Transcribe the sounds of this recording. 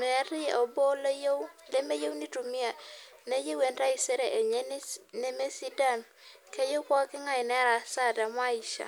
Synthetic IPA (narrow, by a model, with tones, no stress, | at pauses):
mɛ˨˦ɾɪ˦ɔ˨bo˦le˦jo˦wle˦me˦je˦wni˦tu˨mɪ˦a˨ | ne˦je˦we˨nda˦ɪ˨se˦ɾe˨ʔe˨ɲe˦ne˦me˦si˦da˦˨n | ke˦jo˦kwɔ˦kɪ˦ŋa˦ɪ˨nɛ˦ɾa˨sa˦˨da˨m˦a˦i˨ʃa̰˨